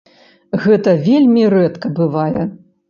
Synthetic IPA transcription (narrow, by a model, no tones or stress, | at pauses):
ɣɛt̪ɐvʲelʲmʲirɛt̪kɐbɨvajɛ